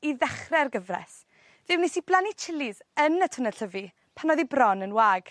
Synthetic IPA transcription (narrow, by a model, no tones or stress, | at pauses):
iðɛχrɛrɡəvrɛ̰s | ð̥ɪwnisib̥lˠanit͡ʃʰɪlɪzənətʰənəɬəvi | pʰanɔðibrɔnənwaːɡ̥